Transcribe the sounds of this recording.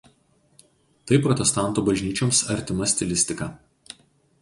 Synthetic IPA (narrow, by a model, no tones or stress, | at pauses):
t̪ɐɪpɾɔt̪ʲɛst̪ɑˑnt̪uːbɐʒʲnʲiːt͡ʃʲomsɐɾʲt̪ʲɪmɐsʲt̪ʲɪlʲɪsʲt̪ʲɪkɑː